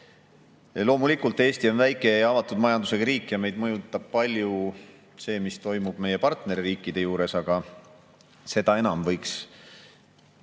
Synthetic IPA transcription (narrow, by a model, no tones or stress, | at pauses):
lo̞ːmulikːˑult̪ːˑe̞ːst̪io̞nvæjkˑe̞jɑɑvɑt̪ːˑud̪̥mɑjɑnd̪use̞kɑɾiːkːˑjɑme̞jd̪̥̚mɤjut̪ːˑɑb̥̚pɑlʲju | se̞ːmist̪o̞jmub̥me̞je̞pɑrt̪ne̞ɾiriːkːˑid̪̥e̞juːɾe̞sɑɡ̥ɑ | se̞d̪̥ɑe̞nɑmvɤ̞jks